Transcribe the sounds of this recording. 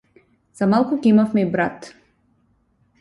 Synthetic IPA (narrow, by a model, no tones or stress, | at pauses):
z̥amalˠkukʲɛimafmɛibɾat̪